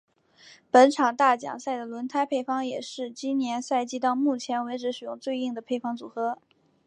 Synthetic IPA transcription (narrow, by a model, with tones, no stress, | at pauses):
pə˧˥nʈ͡ʂʰɑ˨˩ŋt̪a˥˩t͡ɕjɑ̰˨˩ŋsa˥˩ɪd̪ə˩lwə˧˥nt̪ʰa˥ɪpʰe˥˩ɪfɑ˥ŋjɛ˨˩ʂɻ̩˥˩t͡ɕi˥nnjɛ˧˥nsa˥˧ɪt͡ɕi˥t̪ɑ˥˧ʊmu˥˩t͡ɕʰjɛ˧˥nwe˧˥ɪʈ͡ʂɻ̩˧˥ʂɻ̩˨˩jʊ˥˧ŋt͡swe˥˧ɪi˥˩ŋd̪ə˩pʰe˥˩ɪfɑ˥ŋt͡sṵ˨˩xɤ˧˥